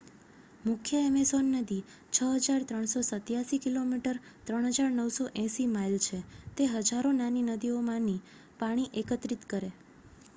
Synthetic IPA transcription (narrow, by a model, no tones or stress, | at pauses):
mʊkʰjəemesonːəd̪i | t͡ʃʰəɦəd͡ʒaɾt̪ɾəɳ̃sosət̪jasikilomiʈəɾt̪ɾəɳ̃ɦəd͡ʒaɾnəwsoʔɛ̃simailt͡ʃʰet̪eɦəd͡ʒaɾonaninəd̪iomãni | paɽ̃iʔekət̪ɾit̪kəɾe